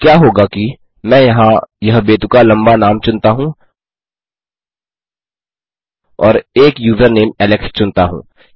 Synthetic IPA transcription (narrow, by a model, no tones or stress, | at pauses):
kjaːɦoːɡaki | mɛ̃jɐɦãjɐɦbeːt̪ʊkalɐ̃mbanaːmt͡ʃʊ̃nt̪aɦũː | ɔːɾeːkjuːzəɾneːmɛlɪkst͡ʃʊnt̪aɦṵ̃ː